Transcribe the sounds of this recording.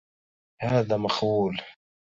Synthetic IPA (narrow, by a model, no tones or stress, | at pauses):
haːðamaxuːl